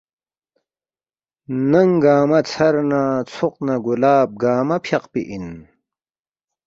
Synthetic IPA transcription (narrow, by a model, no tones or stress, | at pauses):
nɐŋɡaːmɐt͡sʰɐɾnaːt͡sʰuqnɐɡulaːb̚ɡaːmɐpʰjɐqpḭʔin